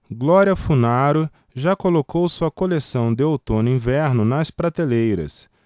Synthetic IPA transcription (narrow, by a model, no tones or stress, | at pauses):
ɡlɔɾiɐfunaɾʊ | ʒakolokowsuɐkolesɐ̃w̃d̪ɪowt̪õnʊĩvɛɾnʊnɐspɾat̪elejɾɐ̰s